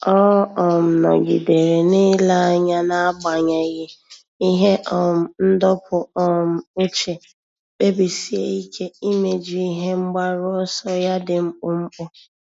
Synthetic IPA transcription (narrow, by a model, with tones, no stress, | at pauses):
ɔ˦ɦɔ˦ɔ˨m̩˨nɔ̰˨ɡḭ˨de˨ɾe˨nɪ˦la˦a˨ɲa˦na˦a˦ɡ͡ba˨ɲa˨ɣɪ˦ | i˦ɦe˦ʔɔ˨m̩˨n̩˦dɔ˦pʰʊ˨ɔ˨m̩˨ʊ˦t͡ʃe˨ | k͡pe˦bi˨si˦e˦i˦kʰe˦i˦me˨d͡ʒi˨i˦ɦe˦ŋ͡m̩˦ɡ͡ba˦ɾʊ˦ɔ˦sɔ˦ja˦dɪ˨m̩˦k͡pʊ˦m̩˦k͡pʊ˦